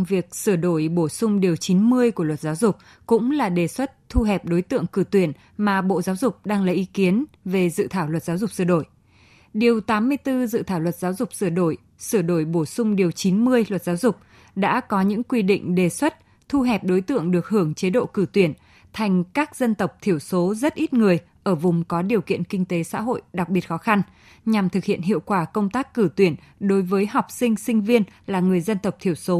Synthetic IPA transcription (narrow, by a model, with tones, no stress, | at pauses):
vi˨˩ək̚sɨ˧˩ɗo˧˩jɓo˧˩sʊ˧ŋ͡mɗi˨˩əwt͡ɕi˨˦nmɨ˧əjku˧˩əwə˨˩t̚zaː˨˦wzʊ˨˩k͡p̚ | kʊ̰˧˥ŋ͡mlaː˨˩ɗe˨˩swə˦˥t̚t̪ʰu˧ɦɛ˨˩p̚ɗo˨˦jt̪ɨ̰˧˨əŋkɨ˧˩t̪wi˧˩ən | maː˨˩ɓo̰˧˨zaː˨˦wzʊ˨˩k͡p̚ɗaː˧ŋlaː˨˩ʔi˨˦ki˨˦ənve˨˩zɨ̰˧˨t̪ʰaː˧˩wlwə˨˩t̚zaː˨˦wzʊ˨˩k͡p̚sɨ˧˩ɗo˧˩j | ɗi˨˩əwt̪aː˨˦mːɨ˧əjt̪ɨ˧zɨ̰˧˨t̪ʰaː˧˩wlwə˨˩t̚zaː˨˦wzʊ˨˩k͡p̚sɨ˧˩ɗo˧˩j | sɨ˧˩ɗo˧˩jɓo˧˩sʊ˧ŋ͡mɗi˨˩əwt͡ɕi˨˦nmɨ˧əjlwə˨˩t̚zaː˨˦wzʊ˨˩k͡p̚ | ɗa̰ː˧˥kɔ˨˦ɲɨ̰˧˥ŋkwi˧ɗḭ˧˨ŋ̟ɗe˨˩swə˦˥t̚ | t̪ʰu˧ɦɛ˨˩p̚ɗo˨˦jt̪ɨ̰˧˨əŋɗɨ˨˩ək̚hɨ˧˩əŋt͡ɕe˨˦ɗo̰˧˨kɨ˧˩t̪wi˧˩ən | t̪ʰa˨˩jŋ̟kaː˦˥k̚zə˧nt̪ə˨˩wk͡p̚t̪ʰi˧˩əwso˨˦zə˦˥t̚ʔi˦˥t̚ŋɨ˨˩əj | ʔəː˧˩vʊ˨˩ŋ͡mkɔ˨˦ɗi˨˩əwkḭ˧˨ənkï˧ŋ̟t̪e˨˦sa̰ː˧˥ɦo̰˧˨jɗa˨˩k̚ɓi˨˩ət̚xɔ˨˦xa˧n | ɲa˨˩mt̪ʰɨ˨˩k̚hḭ˧˨ənɦḭ˧˨əwkwaː˧˩kə˧wŋ͡mt̪aː˦˥kːɨ˧˩t̪wi˧˩ənɗo˨˦jvəː˨˦jɦa˨˩wk͡p̚sï˧ŋ̟sï˧ŋ̟vi˧ənlaː˨˩ŋɨ˨˩əjzə˧nt̪ə˨˩w̚k͡p̚t̪ʰi˧˩əwso˨˦